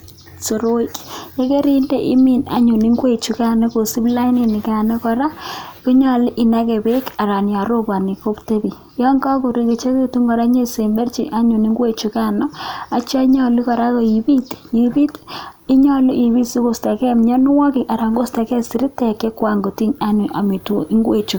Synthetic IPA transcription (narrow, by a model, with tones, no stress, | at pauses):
so˨ɾo˦i˦kje˦ke˦ɾi˦nde˦˨ʔḭ˦mi˨na̰˨ɲu˨ni˦ŋɡwe˦˨t͡ʃu˨ka˦nɔ˦ko˨si˦bla˦jni˨nɪ˨ka˨nɔ˦kɔ˨ɾa˦ku˦ɲɔ˨lɪ˦ʔi˨na˦ke˨be˦ka˨ɾa˨nja˨ɾo˦ba˨ni˨ko˦pte˦bi˨ | jɔ˦ŋɡa˦ko˨ɾi˦ki˨t͡ʃe˦ke˦tu˦ŋɡɔ˨ɾa˦ɲe˦se˨mbe˦rt͡ʃḭ˨ʔa˦ɲu˨ni˦ŋɡwe˦t͡ʃu˨ka˦nɔ˦a˨t͡ʃa˦ɲɔ˨li˦kɔ˨ɾa˦ko˨ji˨bi˦tji˨bi˦ti˦ɲɔ˦lʊ˦ʔi˨βi˦tsi˦ko˨sta˨kɛ˦mɲɔ˦n˦wɔ˦ki˨ʔa˨ɾa˨ŋɡo˦sta˨kɛ˦si˨ɾi˦tɛ˨ke˦kwa˨ŋɡo˨ti˦ɲa˦nu˨ʔa̰˨mi˨to˨i˦ŋɡwe˨t͡ʃu˨